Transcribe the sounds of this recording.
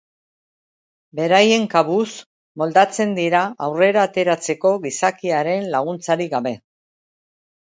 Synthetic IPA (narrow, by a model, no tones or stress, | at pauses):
be̞ɾaje̞ŋkaβus | mo̞ld̪at͡se̞nd̪iɾaawre̞ɾaːt̪e̞ɾat͡se̞ko̞ɣisakiaɾe̞nlaɣ̞unt͡saɾiɣaβe̞